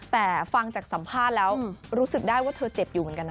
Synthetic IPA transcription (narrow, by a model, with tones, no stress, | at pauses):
t̪ɛː˨˩fa˧ŋt͡ɕaː˨˩k̚sa˩˦mpʰaː˥˩t̪̚lɛː˦˥wɾuː˦˥sɯ˨˩k̚daː˥˩jwaː˥˩t̪ʰɤː˧t͡ɕe˨˩p̚juː˨˩m˩˦ə˦ŋka˧n˧˦